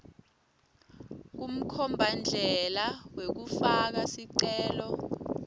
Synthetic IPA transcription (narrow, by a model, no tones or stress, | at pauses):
k̬um̩kʰɔmbʱand͡ɮʱɛlawek̬ufak̬asiǀɛːlɔ